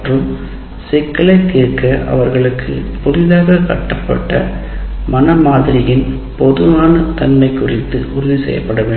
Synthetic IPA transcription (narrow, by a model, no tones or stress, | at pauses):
rɯm | sɛkːɐɭɐɪt̪ːiːɾkɐʔɐ̰ʋɐɾɣɐɭɯkʰːɯ̰pɔlɪðaːɣɐkɐʈːɐpːɐ̰ʈːɐ̰mɐnɐmaːðɪɾɪjɪn | pɔðɯʋaːnɐt̪ɐnmɐɪkːʊrɪt̪ːɯʔʊɾʊðisɛ̰jːɐ̰pːɐɽɐʋeː